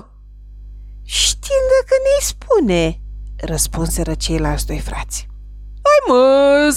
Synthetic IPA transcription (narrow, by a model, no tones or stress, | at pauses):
ʃt̪iŋd̪akənejspʰunerəspunseɾət͡ʃe̞jlat͡ʃd̪o̞jfrat̪sʲ | ajməz